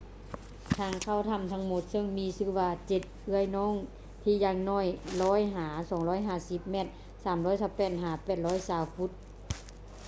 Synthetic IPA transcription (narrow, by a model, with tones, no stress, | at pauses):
t̪ʰaː˧˩ŋkʰa˧˩˨wt̪ʰa˧˨mt̪ʰa˧˥ŋmo˧˦t̪̚sɤ˧˥˨ŋmiː˧˥sɯː˧˩waː˧˩t͡ɕe˧˩t̪̚ʔɯ˧˥˩əjnɔː˧˥˨ŋ | t̪ʰiː˧˩jaː˧˩ŋnɔː˧˩˨jlɔː˦˧˥jɦaː˨˩˦sɔː˨˩˦ŋlɔː˧˥˨jɦaː˧˩˨si˧˦p̚mɛ˧˩t̪̚ | saː˨˦mɾɔː˧˥˨jsaː˧˦wpɛː˧˩t̪̚ɦaː˨˩˦pɛː˨˩t̪̚lɔː˧˥jsaː˨˩wfu˧˦t̪̚